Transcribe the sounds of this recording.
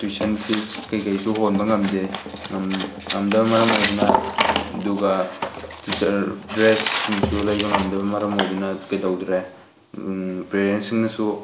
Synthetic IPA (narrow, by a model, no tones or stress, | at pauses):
tuisansʰikajkajsuɦonbɐŋamdeŋam | ŋamdɐbɐmaɾɐmɦojdina | duɡatitdɾesiŋsulajbɐŋamdɐbɐmaɾɐmojdinakajdawdɾa | pɾeɾensiŋnasu